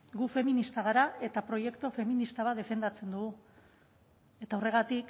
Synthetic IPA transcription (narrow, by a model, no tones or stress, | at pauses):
ɡufe̞minist̪aɣ̞aɾae̞t̪apɾo̞je̞kt̪ofe̞minist̪aβaðe̞fe̞nd̪at͡se̞nd̪uɣu | e̞t̪aːwre̞ɣ̞at̪ik